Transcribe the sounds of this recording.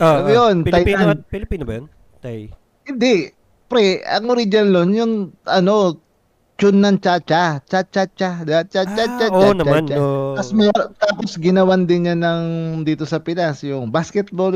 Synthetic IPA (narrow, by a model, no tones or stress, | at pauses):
ʔojonajapilɪpiːnobɐjon | t̪aj | hɪnd̪ɛ | pɾɛɐ̰ŋʔʊɾid͡ʒɐnlonjʊŋʔɐno̞ | t͡ʃʊnːɐŋt͡ʃat͡ʃat͡ʃat͡ʃat͡ʃad̪at͡ʃat͡ʃat͡ʃat͡ʃanɐmant͡ʃaɐsmɛt̪aːposɡɪnɐwand̪ɪnjanɐŋd̪iːt̪o̞sɐpɪnasjʊŋbaskɛt̪̚bol